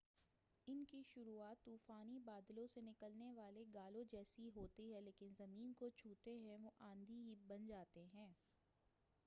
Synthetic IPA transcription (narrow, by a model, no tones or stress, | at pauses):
ɪnkiʃʊɾuaːt̪ːuːfaːnibaːd̪lõsenɪkəlneʋaːleɡaːlõd͡ʒɛːsiɦoːt̪iɦɛ̃leːkɪnzɐmiːnkot͡ʃʰuːt̪eɦɛ̃ʋoʔãːnd̪ʱiɦibɐnd͡ʒaːt̪eɦɛ̃ː